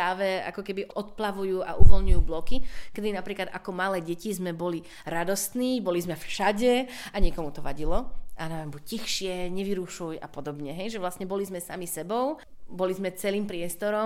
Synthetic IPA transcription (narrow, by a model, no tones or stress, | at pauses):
ɾaːʋɛa̰kɔkɛbiʔɔt̪plaʋujuːʔa̰ʔuʋɔlɲujuːblɔkikɛd̪inapɾiːklad̪ʔakɔmalɛːɟɛcizmɛbɔli | ɾad̪ɔst̪niːbɔlizmɛfʃaɟɛaɲɪɛkɔmut̪ɔʋa̰ɟilɔʔanambuccixʃɪɛɲɛʋiɾuʃuja̰pɔd̪ɔbɲɛɦɛjʒɛʋlast̪ɲɛbɔlizmɛsamisɛbɔʊbɔlizmɛt͡sɛliːmpɾɪɛst̪ɔɾɔ